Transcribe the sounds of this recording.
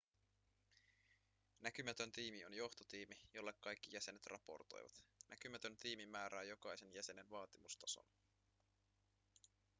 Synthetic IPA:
næk̟ymæt̪ø̞nt̪iːmionjo̞xt̪o̞t̪iːmijo̞lːe̞kkːɑjkːijæse̞net̪rʔɑ̰po̞̰rt̪o̞̰j̰ʋɑ̰t̪næk̟ymæt̪ø̞nt̪iːmimːæːɾæːjo̞kɑjse̞njæse̞nenʋɑːt̪imust̪ɑso̞̰n

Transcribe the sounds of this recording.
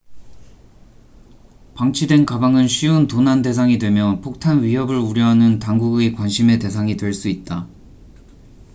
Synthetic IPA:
paŋt͡ɕʰidwe̞nkabaŋɯnɕʰiontonande̞sʰaŋidwe̞mjʌpʰok̚tʰanɥiɦʌbɯɭuɾjʌɦanɯntaŋɡuɡekwanɕʰime̞te̞sʰaŋidwe̞ɭs͈uit̚t͈a

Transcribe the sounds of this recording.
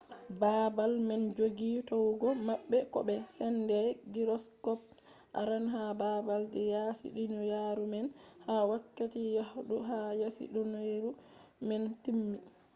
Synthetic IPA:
babalmɛnd͡ʒoɡitɔwɡɔmaɓːɛkɔ̰bɛsɛndɛɡiɾɔskɔp̚ | ʔa̰ɾanɦabaːbaldɛjasḭɗinɔjaɾumɛnhawakːatijahɗuɦajasḭɗɔnaɾumɛntimːi

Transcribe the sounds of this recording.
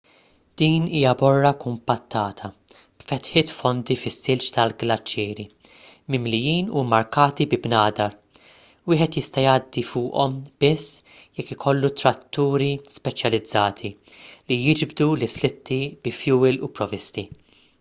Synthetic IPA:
d̪̥iːniːjɐbɔrːɐkʊmpɐt̪ːɐːt̪ʰɐ | b̥fɛt̪ħɪːt̪fɔnd̪ifɪsːɪlt͡ʃt̪ɐlɡlɐt͡ʃːɪːɾi | mɪmlɪjiːnumːɐɾkɐːt̪ibɪbnɐːd̪ɐɾ | wɪːħɛt̪jɪst̪ɐjɐːd̪ːifʊːʔɔmb̥ɪsː | jɛkːɪkʰɔlːut̪ɾɐt̪ːuːɾispɛt͡ʃjɐlɪd͡zːɐːt̪ʰilijɪd͡ʒbd̪ulɪslɪt̪ʰːibɪfjuːɪlṵpɾɔvɪst̪i

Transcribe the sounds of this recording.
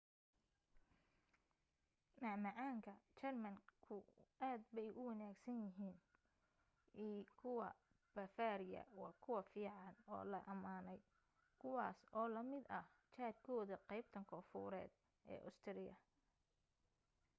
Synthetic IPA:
nɑʕmɐʕaːŋkʰɐt͡ʃɛrmɐŋkʰʊʔaːd̪bɛjʊwɐnaːɡsɐnjɪɦiːn | iːkʰʊwɐ | b̥ɐfaːɾɪjɐ̰wɑːkʰʊwɐfiːʕɑnɔ̰ːlɐʔɐmaːnɛj | kʰʊwɑːsɔːlɐmɪd̪ɐht͡ʃaːd̪kʰɔːðɐqɛjb̚t̪ʰɐŋkʰɔːfṵːɾɛ̰ːd̪ | ʔɛ̰ːʔʊst̪ʰɪɾɪjɐ

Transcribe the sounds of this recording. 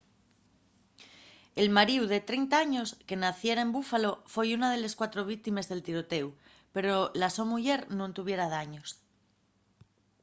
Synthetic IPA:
e̞lmaɾiuðe̞t̪ɾejnt̪aaɲo̞ske̞naθje̞ɾaembufalo̞fo̞junað̞e̞le̞skwat̪ɾo̞β̞ik̚t̪ime̞zðe̞lt̪iɾo̞t̪e̞w | pe̞ɾolaso̞muʎe̞ɾnõnt̪uβ̞je̞ɾaðaɲo̞s

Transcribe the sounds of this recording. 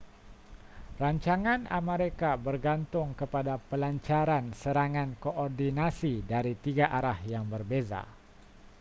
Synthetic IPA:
raɲt͡ʃaŋana̰meɾekabərɡant̪ʊŋkəpadapəlaɲt͡ʃaɾansəɾaŋankoʔɔrdinasidaɾit̪iɡaʔaɾahjaŋbərbeza̰

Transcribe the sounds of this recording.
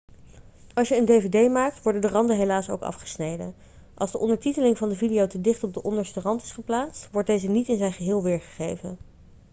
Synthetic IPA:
ɑlˠsʃjəəndejvedejmaːk̚tʋɔɹdəndərɑndəɦelaːso̰wkɑ̰fχə̥snejdə̰n | ʔɑ̰lˠzdəʔɔndəɹtitəlɪŋvɑndəvidijowtədɪχtɔb̚dəʔɔndəɹstərɑntɪ̥sχəplaːstʋɔɹt̚dejzənitɪnzɛjnχəɦɪːlˠʋɪːɹχə̥χejvən

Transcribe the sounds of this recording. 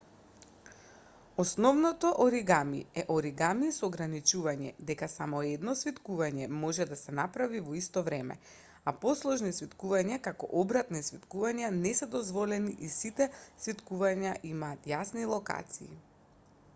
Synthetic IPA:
ɔsnɔvnɔt̪ɔʔɔɾiɡamḭɛʔɔɾiɡamisɔːɡɾanit͡ʃuvaɲɛ̰d̪ɛkasamɔɛd̪nɔsvit̪kuvaɲɛmɔʒɛd̪asɛnapɾavivɔist̪ɔvɾɛmɛ̰ | apɔslˠɔʒnisvit̪kuvaɲakakɔ̰ʔɔbɾat̪nisvit̪kuvaɲanɛsɛd̪ɔzvɔlɛniʔisit̪ɛsvit̪kuvaɲaʔimaːt̪jasnilˠɔka̰t̪siː

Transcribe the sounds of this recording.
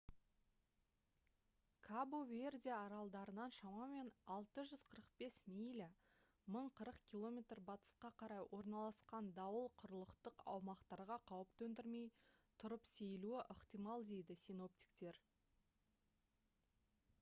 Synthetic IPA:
kʰabove̞rd̪ʲijaːɾɑlˠd̪ɑɾənɑnʃɑmɑme̞nɑlˠt̪əʒʏz̥qʰəɾəqbe̞smijl | məɴqʰəɾəqkʲilˠo̞mʲe̞t̪rbɑt̪ə̥sqɑqʰɑɾɑjwʔo̞ɾnɑlˠɑsqɑnd̪ɑwəlˠqʰʊɾəlˠəqt̪əqɑ̰wmɑqt̪ɑɾʁɑqʰɑwəp̚t̪ʰɵnd̪ɪɾme̞jt̪ʰʊɾəpse̞jluɪʔəqt̪ijmɑlˠd̪e̞jd̪ɪsino̞p̚t̪i̥kt̪e̞ɾ

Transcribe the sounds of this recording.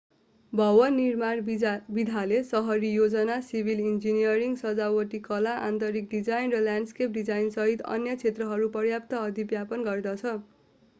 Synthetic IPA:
bʱʌwʌnːirmanbid̪ʱalesʌɦʌɾijod͡zʌnasibʱilind͡zinijʌɾiŋɡsʌd͡zawʌʈikʌlaʔa̰nt̪ʌɾik̚ɖid͡zajnrʌljanɖskep̚ɖid͡zajnsʌɦit̪ʌ̰njʌt͡sʰet̪rʌɦʌɾupʌrjap̚t̪ʌːd̪ʱibjapʌnɡʌrd̪ʌt͡sʰʌ

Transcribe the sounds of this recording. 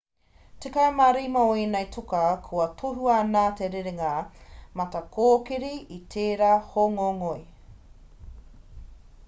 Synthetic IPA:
tekɐemaɾimɐoinejtʰokɐkʰuɐtʰoɦuanaːteɾeɾeŋɐmɐtɐkʰoːkiɾiitʰeːɾaːhoŋoŋoj

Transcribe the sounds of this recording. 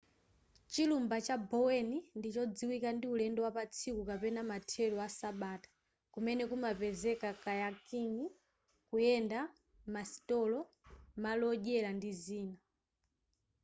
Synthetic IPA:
t͡ʃilumbat͡ʃabɔwɛnindit͡ʃɔd͡ziwikandiulɛndɔwapat͡sʰikukapɛnamatʰɛlɔwasaɓaːtḁ | kumɛnɛkumapɛzɛkakajakiŋi | kujɛnda | masi̥tɔlɔ | malɔʄɛlandiziːna

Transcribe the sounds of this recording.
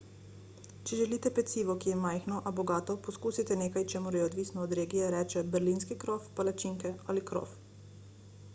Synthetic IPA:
t͡ʃɛʒɛliːt̪ɛpɛt̪siːʋɔkijɛmajxnɔʔabɔɡaːt̪ɔpɔskuːsit̪ɛneːkajt͡ʃɛːmuɾjɛɔd̪ʋisnɔːd̪ɾeːɡijɛɾɛːt͡ʃɛbɛɾlinskikɾofpalat͡ʃiŋkɛalikɾɔ̰f

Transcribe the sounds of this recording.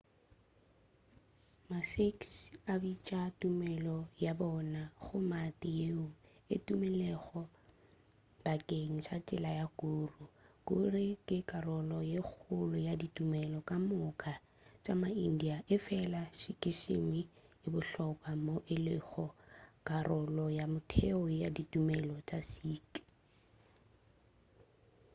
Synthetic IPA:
masiksabit͡ʃʼatʼumɛlɔjabɔnaχʊmatʼɪjeʊ | ɪ̰tʼumɛlɛɣɔ | bakʼeŋ̩sat͡ʃʼɪlajakʼuːrʊkʼʊrɪkʼɪkʼarɔlɔjek͡xʰʊlʊjaditʼumɛlɔkʼamʊkʼa | t͡ʃʼamaindiaʔɪfɛlaʃikʼɪʃḛmi | ɪbʊɬɔkʼwamoʔɪlɪɣɔkʼarɔlɔjamʊtʰɛɔjaditʼumɛlɔt͡ʃʼasiːk

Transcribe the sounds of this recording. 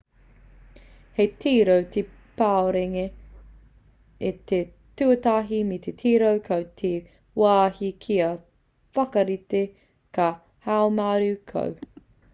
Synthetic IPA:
hejtʰiːɾowt̪e | paoɾeŋe | et̪e | tʉɐtaɦimit̪ʰet̪ʰiːɾowkʰɐwtʰe | waːhikʰiɐ | fɐkɐɾite | kɐ | haomaːɾʉkʰɐ̰w

